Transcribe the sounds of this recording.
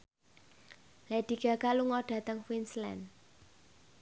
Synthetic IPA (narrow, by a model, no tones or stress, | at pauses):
lɛɖ̪̥i̤ɡ̥a̤kaluŋɔɖ̥ä̤t̪əŋfwinslɛ̰n